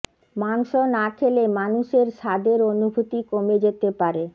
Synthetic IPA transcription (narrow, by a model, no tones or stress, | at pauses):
maŋʃonakʰelemanuʃeɾʃad̪eɾonubʱut̪ikomed͡ʑet̪epaɾe